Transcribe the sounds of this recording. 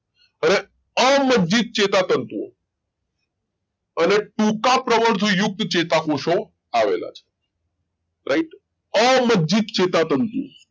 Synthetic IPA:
əɾe | əməd͡ʒd͡ʒit̪̚t͡ʃet̪at̪ənt̪uo̰ | əneʈũkapɾəʋəɾd̪ʱujʊk̚t̪t͡ʃet̪akoʃo | aʋḛla̰t͡ʃʰe̥ | ɾʔaiʈ | əməd͡ʒd͡ʒit̪̚t͡ʃet̪at̪ənt̪ṵ

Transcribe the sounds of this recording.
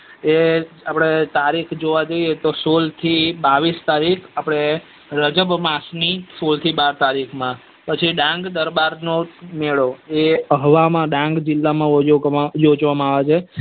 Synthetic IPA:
e | apɽ̃et̪aɾikʰd͡ʒoʋad͡ʒoiet̪osolt̪ʰibaʋist̪aɾikʰapɽ̃e | ɾəd͡ʒəbmasnisolt̪ʰibaɾt̪aɾikʰmã | pət͡ʃʰiɖãŋɡd̪əɾbaɾnomeɭoeəɦʋamãɖãŋɡd͡ʒɪlːamãooad͡ʒod͡ʒʋamãaʋat͡ʃʰe

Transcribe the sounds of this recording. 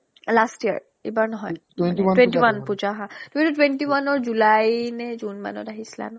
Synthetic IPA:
lastiə̰ɹ | ḭbaɹnɔɦɔj | eniwwẽntiwanpuzaɦãtʊmitutwentiwanɔɹzulajnɛzunma̰nɔ̰taɦisila̰nʊ

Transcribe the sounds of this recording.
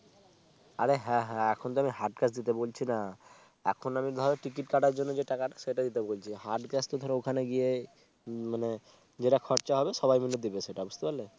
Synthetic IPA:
aɾeɦɛ̃ɦɛ̃ɛkʰont̪oamiɦaɾʈkɛsd̪it̪ebolt͡ɕʰina | ɛ̰kʰonamit̪d̪ʱɔɾeʈɾik̬iʈkaʈaɾd͡ʑonːod͡ʑeʈakaʈaʃeʈad̪it̪ebolt͡ɕʰihaɾʈkɛst̪od̪ʱɔɾeokʰaneɡie | mane | d͡ʑeʈakʰɔɾt͡ɕaɦɔbeʃɔbajmilːod̪ibeʃeʈaɔbost̪opaɾle

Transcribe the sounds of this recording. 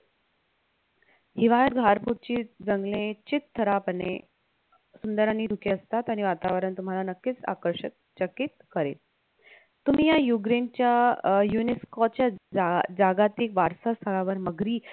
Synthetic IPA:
hiʋajəɾɡʱaɾpuɾ̚t͡ɕiːd͡zəŋɡlet͡ɕit̪ʰːəɾapənḛ | sund̪əɾanːiːd̪ʱukeəst̪at̪aɽ̃iʋat̪aʋəɾənt̪um̤alanəkːiːt͡sa̰kəɾɕə̰k̚ | t͡ɕəkːiːt̪̚kəɾḛt̪ | t̪ːum̤ijajuɡɾent͡ɕjajuneskot͡ɕjad͡zaɡat̪ikʋaɾsast̪ʰəɭaʋəɾməɡɾiː

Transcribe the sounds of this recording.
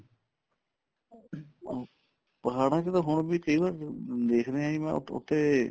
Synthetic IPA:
pəɦaːɽãːket̪ãːɦʊɳbiːkəiːʋaːɾd̪eːkʰɾeãːimɛ̰̃ːʊ̰t̪ʰːeː

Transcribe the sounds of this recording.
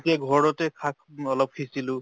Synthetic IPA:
tiaɡʱɔɹɔtɛkʰakɔlɔp̚kʰisilʊ̃

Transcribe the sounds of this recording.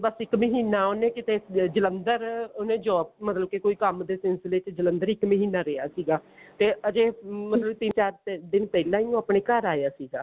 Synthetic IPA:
bəsɪkməɦiːnaːoːnẽːkɪt̪eːd͡ʒələnd̪əɾoːnẽːd͡ʒɔːp̚mət̪ləb̚kekoːiːkəmd̪eːsɪnsleːt͡ʃd͡ʒələnd̪əɾɪkməɦiːnaːɾeːa̰ːsiːɡaːt̪eːəd͡ʒeːmət̪ləbt̪ɪnt͡ʃaːɾd̪ɪnpɛːlãːiõːaːpɳeːkəɾaːjaːsiːɡaː

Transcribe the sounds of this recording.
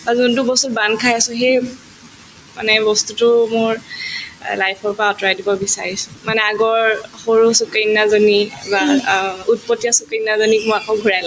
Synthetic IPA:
azundubɔstutbankʰajasʊ̃xej | ma̰nɛbɔstutʊmʊɹ | lajpʰɔɹpɔɹaɔtɔɹajdibɔbisaɹisʊ̥̃manɛaɡɔɹxoɹusukenːazonibaut̚pɔtːijasukenːazonimʊakɔ̃ɡʱuɹajla

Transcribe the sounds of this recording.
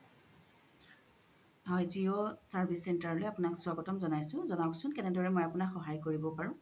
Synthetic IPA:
hɔjziɔsaɹbʱisːɛntaɹɔlojapʊnakswaɡɔtɔmzɔnajsʊ̃zɔnaksʊnkɛnɛdɔɹɛmojapunakxɔɦajkoɹibɔpaɹʊ̃

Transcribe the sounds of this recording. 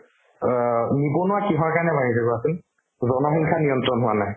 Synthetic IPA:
nibonʊakiɦɔɹkaɹnɛbaɹizʰaɡɔasun | zɔnɔxiŋkʰanijɔntɹɔnɦʊanaj

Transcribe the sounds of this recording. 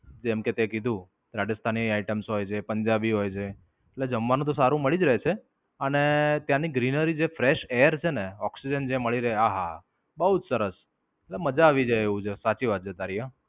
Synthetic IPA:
d͡ʒɛmket̪ekid̪ʱũ | ɾaɖəst̪ʰaniaiʈəmsɦojt͡ʃʰepəɲd͡ʒabiɦojt͡ʃʰe | eʈled͡ʒəmʋanũt̪̬osaɾũməɭid͡ʒɾəɦet͡ʃʰe | ənet̪jãniɡɾinəɾid͡ʒefɾeʃeəɾt͡ʃʰeneɔksid͡ʒənd͡ʒeməɭiɾəɦeaɦa | bəɦud͡ʒsəɾəs | eʈleməd͡ʒaːʋid͡ʒajeʋũd͡ʒʰesat͡ʃiʋad̪̚d͡ʒʰet̪aɾija

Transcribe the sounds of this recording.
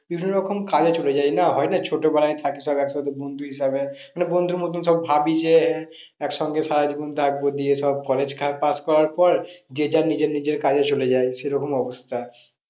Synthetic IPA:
bibʱinːoɾɔkʰomkad͡ʑat͡ɕoled͡ʑajnaɦɔenat͡ɕʰoʈobɛlajt̪ʰakeʃɔbɛkʃɔd̪ebond̪ʱuɦiʃabemanebond̪ʱuɾmot̪̬unʃɔbbʱabid͡ʑe | ɛkʃɔŋɡeʃaɾad͡ʑibont̪ʰak̚bod̪ieʃɔb̚kɔled͡ʑkʰat̪̚paskɔɾaɾpɔɾd̪ied͡ʑaɾnid͡ʑeɾnid͡ʑeɾkad͡ʑat͡ɕoled͡ʑajʃeɾɔkomɔbost̪ʰa

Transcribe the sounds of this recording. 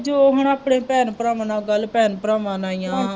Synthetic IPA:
d͡ʒoɦənaːpɽẽːpɛːnpɾaːmnaːɡəlpɛːnpɾaːmãːnaːɪjã

